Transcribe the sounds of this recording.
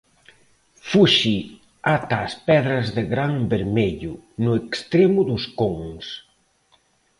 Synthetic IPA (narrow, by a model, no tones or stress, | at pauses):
fuʃi | at̪aːspɛðɾɐzðeɣɾaŋbeɾmeʎʊnʊekst̪ɾemʊðʊskoŋs